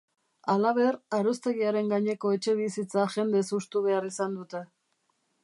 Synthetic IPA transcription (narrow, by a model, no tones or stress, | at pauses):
alaβ̞e̞raɾost̪e̞ɣiaɾe̞ŋɡaɲe̞ko̞e̞t͡ʃe̞βisit͡saʝe̞nd̪esust̪uβe̞arisand̪ut̪e̞